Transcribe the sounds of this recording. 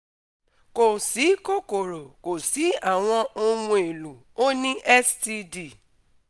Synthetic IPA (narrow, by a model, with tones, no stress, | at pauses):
ko˨si˨˦ko˦˨ko˨ɾo˨ko˨si˨˦a˦˨w̃ɔ̃˧o˧ũ˧e˨lu˨ | o˦nĩ˦ʔɛ˦sti˧di˦˨